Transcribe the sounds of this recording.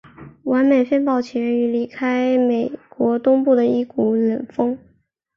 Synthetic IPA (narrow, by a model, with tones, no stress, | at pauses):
wa˧˥nme˨˩ɪfə˥npɑ˥˩ʊt͡ɕʰɛ˧˥ny˧˥li˧˥kʰa˥ɪme˨˩ɪkwɔ˧˥t̪ʊ˥ŋpu˥˩d̪ə˩i˥˩ku˨˧˩lə˨˩nfɤ˥ŋ